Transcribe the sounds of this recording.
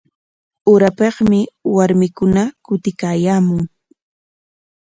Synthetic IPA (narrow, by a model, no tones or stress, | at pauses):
ʊɾapeχmɪwaɾmɪkʊnakʊt̪ɪkaːjaːmʊŋ